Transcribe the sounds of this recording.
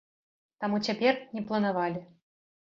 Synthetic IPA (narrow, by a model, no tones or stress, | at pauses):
t̪amut͡sʲapʲɛrnʲɛplˠɐnavalʲi